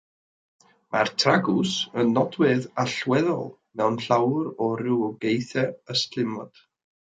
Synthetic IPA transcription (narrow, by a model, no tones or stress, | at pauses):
mʔartʰraɡʊsənːɔdwɪðaɬwɛðɔ̰lˠ | mɛwnɬawɾɔɾɪwɔɡejθɛəstʰlɪmɔ̰d̥